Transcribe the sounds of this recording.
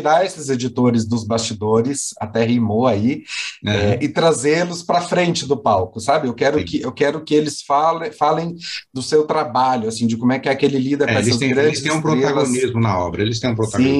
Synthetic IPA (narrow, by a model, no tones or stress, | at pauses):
t͡ʃiɾaesɪzed͡ʒit̪oɾɪzd̪ʊzbast͡ʃid̪oɾɪsat̪ɛɦejmoaiɛɛɪt̪ɾazelʊspɾɐfɾẽnt͡ʃɪd̪ʊpawkʊsabɪewkɛɾʊ̃kɪʔewkɛɾʊkɪelɪsfalfalẽj̃d̪ʊsewt̪ɾabaʎʊasĩd͡ʒɪkõmʊɛkɪɛkɪelɪlid̪ɐpɐeɛsɐzẽɡɾɐ̃stɪẽj̃ũpɾoteaɡonizmʊnɐɔ̰bɾɐelɪst̪ẽj̃ũpɾoaĩ